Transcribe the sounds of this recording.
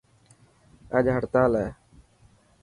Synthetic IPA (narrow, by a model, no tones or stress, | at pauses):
əd͡ʒɦəɽt̪aːlɛː